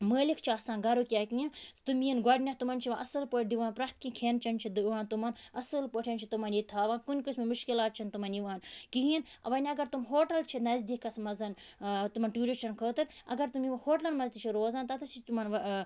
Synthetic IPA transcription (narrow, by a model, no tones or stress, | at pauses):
məːlikʰt͡ʃʰiasaːnɡɐɾukʲaːkĩĩnt̪umiɐnɡɐɖʲnʲɐht̪umɐnt͡ʃʰiʋaʔɐsɨlpoːʈ̚d̪iʋaːnpɾaht̪kiːkʰeːnt͡ʃʰɐnt͡ʃʰid̪uʋaːnt̪umɐnɐsɨlpoːʈʰʲɐnt͡ʃʰit̪umɐnjit̪ʰaːʋaːnkunʲkusmemuʃkilaːt̪̚t͡ʃʰint̪umɐnjiʋaːnkiɦiːnɐ̰ʋɐnʲiɐɡɐɾt̪umɦoːʈɐlt͡ʃʰinɐzd̪ikʰɐsmɐzɐnt̪umɐnʈjuːɾit͡ʃʰɐnkʰəːt̪ɨɾɐ̰ɡɐɾt̪umiʋɐhoːʈlɐnmɐzt̪it͡ʃʰiɾoːzaːnt̪ɐt̪ʰɐt͡ʃʰit̪umɐn